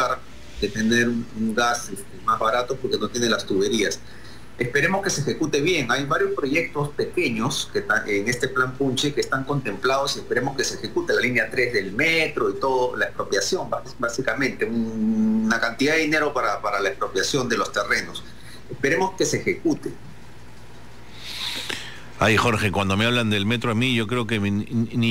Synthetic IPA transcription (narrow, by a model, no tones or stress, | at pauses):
aɾ | d̪e̞t̪e̞ne̞ɾuuŋɡasest̪emazβaɾat̪o̞po̞ɾke̞no̞t̪je̞nelast̪uβe̞ɾias | espe̞ɾe̞mo̞ske̞seːxe̞kut̪e̞βje̞ŋajβaɾjo̞spɾo̞ʝe̞k̚t̪o̞spe̞ke̞ɲo̞sket̪aeŋe̞st̪e̞plampunt͡ʃekeːst̪aŋko̞nt̪e̞mplað̞o̞sie̞spe̞ɾe̞mo̞ske̞sexe̞kut̪elalinjat̪ɾe̞zðe̞lmet̪ɾo̞it̪o̞ðolaespɾo̞pjasjo̞ŋba | basikamẽ̞nt̪e̞unnakant̪iðaðeine̞ɾo̞paɾapaɾalaespɾo̞pjasjo̞nd̪e̞lo̞st̪e̞re̞no̞s | espe̞ɾe̞mo̞ske̞seːxe̞kut̪e | a̰jxo̞ɾxe̞kwand̪o̞meaβland̪e̞lme̞t̪ɾoamiʝo̞kɾeokemn